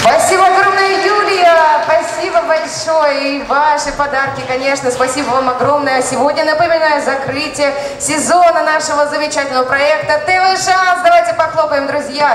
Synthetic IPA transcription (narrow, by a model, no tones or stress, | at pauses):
spɐsʲibəɐɡɾo̞mnəjəjulʲjəpɐsʲibəbɐlʲʂojəivaʂɨpɐd̪arkʲɪkɐnʲe̞ʂnəspɐsʲibəvamɐɡɾo̞mnəjəsʲɪvo̞dʲnʲənəpəmʲɪnajʊzɐkɾɨtʲɪjə | sʲɪzonənaʂəvəzəmʲɪt͡ɕætʲɪlʲnəvəpɾɐɛk̚t̪ət̪ɛvɛʂansd̪ɐvajtʲɪpɐxlˠopəvʲɪmd̪ɾʊzʲja